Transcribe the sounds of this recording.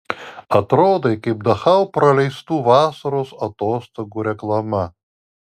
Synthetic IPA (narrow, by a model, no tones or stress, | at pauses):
ɐt̪ɾoːd̪ɐɪkɐɪp̚d̪ɐxɐʊpɾɐlʲɛɪst̪uːʋɑːsɐɾoːsɐt̪oːst̪oːɡuːɾʲɛklˠɐmɐ